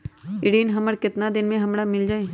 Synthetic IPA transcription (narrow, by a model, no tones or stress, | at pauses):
ɪɽiːnɦɐməɾkɪt̪nad̪ɪnmẽɦɐmɽamɪld͡ʒaːeː